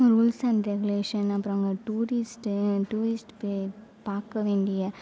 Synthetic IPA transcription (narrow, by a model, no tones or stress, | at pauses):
ɾuːlsɐnɾɛɡʊleːʂɐnɐpːɾõŋɡɐʈuːɾɪsʈʈuːɾɪsʈpe | paːɾkːɐʋeːɳɖɪjɐ